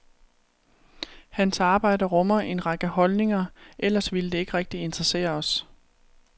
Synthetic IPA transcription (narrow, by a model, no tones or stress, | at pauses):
hænsɑ̈ːb̥ɑ̈ɪ̰dɐʁɔ̽mɐʔe̝nʁɑ̈ɡ̥əhɒ̽lne̝ŋɐʔel̰ɐsʋiləd̥e̝e̝ɡ̥ʁɛɡ̥̚d̥ie̝nd̥ʁɐse̝̰ːɐɒ̽s